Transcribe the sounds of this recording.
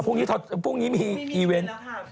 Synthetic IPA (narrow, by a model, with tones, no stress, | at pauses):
pʰuː˥˩ŋniː˦˥t̪ʰo˧˩t̪̚pʰuː˥˩ŋniː˦˥miː˧ʔiː˧we˦˥n